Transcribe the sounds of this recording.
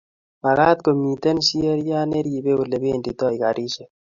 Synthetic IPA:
ma˨ɣa˦t̪̚ko˨mi˨te˦nʃi˦ɛ˦ɾja˦ne˦ɾi˨be˦u˨le˨be˦˨ndi˨tɔ˦i˨ka˨ɾʔi˦ʃe˨

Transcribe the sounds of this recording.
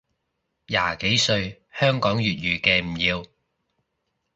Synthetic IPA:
ja̰ː˨˩ke˨˥jsɵ˧ɥ | hœː˥ŋkɔː˨˥ŋjyː˨t̚jyː˨kɛː˧m̩˨˩jiː˧w

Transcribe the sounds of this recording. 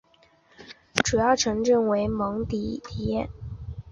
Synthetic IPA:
ʈ͡ʂu˨˩jɑ˥˩ʊʈ͡ʂʰɤ˧˥ŋʈ͡ʂɤ˥˩ŋwe˧˥ɪmɤ˧˥ŋt̪i˧˨˥t̪ʰi˨˩jɛ˥˩n

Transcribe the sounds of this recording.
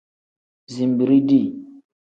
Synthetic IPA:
zi˨mbi˨ɾi˦di˦˨

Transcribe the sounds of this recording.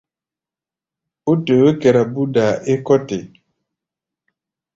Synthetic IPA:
o˦te˨we˦ke˨ɾa˨bu˦da˨e˦kɔ˦te˨

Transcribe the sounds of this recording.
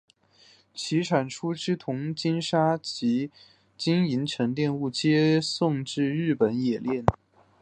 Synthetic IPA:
t͡ɕʰi˧˥ʈ͡ʂʰa˨˩nʈ͡ʂʰu˥ʈ͡ʂɻ̩˥t̪ʰʊ˧˥ŋt͡ɕi˥nʂa˥t͡ɕi˧˥ | t͡ɕi˥ŋi˧˥nʈ͡ʂʰɤ˧˥ŋt̪jɛ˥˧nu˥˩t͡ɕjɛ˥sʊ˥˧ŋʈ͡ʂɻ̩˥˧ɻɻ̩˥˩pə˧˥njɛ˨˩ljɛ˥˩n

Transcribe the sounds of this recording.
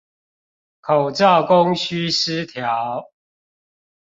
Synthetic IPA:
kʰo˨˩ʊʈ͡ʂɑ˥˨ʊkʊ˦ŋɕy˦s̩˦t̪ʰja˨˦ʊ

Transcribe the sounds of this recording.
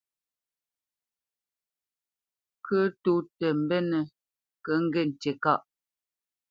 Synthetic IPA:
kʰə˦tu˦tə˨m̩˨bɛ˦nə˨ | kə˨˦ŋ̩˦ɡe˦˨n̩˨te˨ka˦˨ʔ

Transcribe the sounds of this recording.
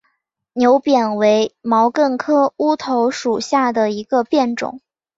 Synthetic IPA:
njo˧˥ʊpjɛ˨˩nwe˧˥ɪmɑ˧˥ʊkə˥˩nkʰɤ˥u˥t̪ʰo˧˥ʊʂu˨˩ɕja˥˩d̪ə˩i˧˥ɡə˧pjɛ˥˩nʈ͡ʂʊ̰˨˩˦ŋ

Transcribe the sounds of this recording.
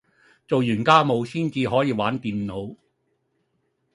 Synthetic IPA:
t͡so˨wjyː˨˩nkaː˥mo˨˧wsiː˥nt͡siː˨˧ɦɔː˨˥jiː˧waː˨˥nt̪iː˨nːo˨˧w

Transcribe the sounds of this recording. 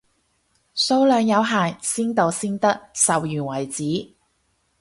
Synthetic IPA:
so˧˥wlœː˨˧ŋjɐ˨˧wɦaː˨˩ŋsiː˥nt̪o˨wsiː˥nt̪ɐ˥k̚sɐ˨wjyː˨˩nwɐ˨˩jt͡siː˨˥

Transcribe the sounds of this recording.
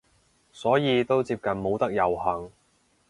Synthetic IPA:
sɔː˨˥jiː˨˧t̪o˥wt͡siː˧p̚kɐ˨nmo˨˧wt̪ɐ˥k̚jɐ˨wɦɐ˨˩ŋ

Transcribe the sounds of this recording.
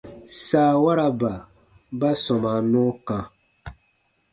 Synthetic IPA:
saː˨˦˨wa˦ɾa˦ba˨ | ba˦sɔ˨ma˨nũ˦kã˨

